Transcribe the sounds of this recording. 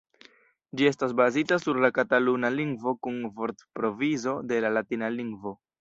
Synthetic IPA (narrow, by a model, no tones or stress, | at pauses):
d͡ʒie̞s̬tas̬bazitasuɾlakatalunaliŋɡvo̞kunvo̞ɾtpɾo̞vizo̞de̞lalatinaliŋɡvo̞